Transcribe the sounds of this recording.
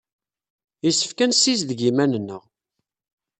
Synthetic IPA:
isːə̥fkænsis̬ðəɡimænnːəʁ

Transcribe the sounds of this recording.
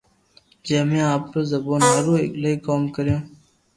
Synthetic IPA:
d͡ʒeːmẽːaːp̚kəzəboːnɦəɾũːḛːkləikoːmkəɾjõː

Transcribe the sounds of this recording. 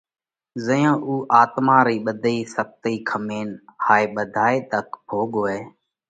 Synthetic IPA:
zəjãːʔuːʔaːt̪mãːɾiːɓəd̪ʱəiːsəp̚t̪iːkʰəmeːnhaːeːɓəd̪ʱaːeːt̪əkbʱoːɠoːeː

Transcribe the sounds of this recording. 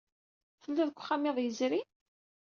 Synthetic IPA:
θəlːæðkʷːχamiðˤjəzɾi

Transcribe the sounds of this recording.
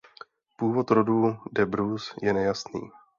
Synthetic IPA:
puːvo̞t̪ɾo̞duːdɛbɾusjɛnɛjasnḭː

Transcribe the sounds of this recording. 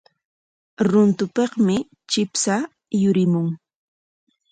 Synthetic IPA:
ɾʊnt̪ʊpeχmɪ | t͡ʃɪpsa | jʊɾɪmʊŋ

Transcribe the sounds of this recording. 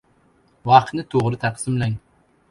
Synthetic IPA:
wɑqʰnɪt̪ʰoʁɾɨt̪ʰæqsɪmlɛŋ

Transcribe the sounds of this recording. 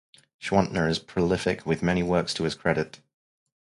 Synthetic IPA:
ʃwɒ̃nʔnəɹɪz̥pʰɹ̥əlɪfɪkʰwɪðmɛñiwɜˑkstʰəɪz̥kʰɹ̥ɛɾɪt

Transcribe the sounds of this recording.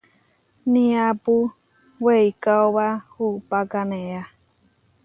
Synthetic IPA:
nĩapu | weikaoβahupakanẽa

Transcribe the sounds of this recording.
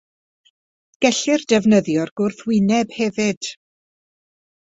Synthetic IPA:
ɡ̥ɛɬɪrdɛvnəðjɔrɡʊrθwɪnɛbhɛvɪd̥

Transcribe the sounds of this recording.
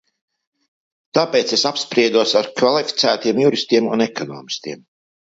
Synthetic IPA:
t̪aːpeːt̪sesapspɾiɛd̪uɔsaɾkvalˠifi̥t̪sæːt̪iɛmjuɾist̪iɛmṵnɛkɔnɔ̰ːmist̪iɛm

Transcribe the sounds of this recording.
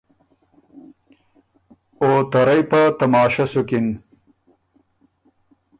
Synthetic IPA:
ot̪ɐɾɐjpɐt̪ɐmɑːʃɐsukin

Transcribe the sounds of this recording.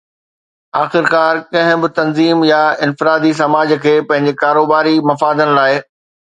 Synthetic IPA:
aːxɪɾkaːɾkɐ̃ɦɪ̃bɪt̪ɐnziːmjaɪ̃nfɪɾaːd̪is̬ɐmaːd͡ʑkʰeːpɐ̃ɦɪ̃ɲ̆d͡ʑekaːɾoːbaːɾimɐfaːd̪ənɪ̆laːɪ

